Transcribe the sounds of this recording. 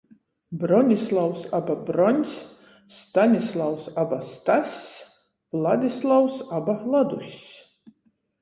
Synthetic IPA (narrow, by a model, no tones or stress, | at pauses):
bɾɔnʲislˠawsababɾɔnʲs | st̪anʲislˠawsabast̪asʲ | vlˠad̪ʲislˠawsabalˠad̪usʲ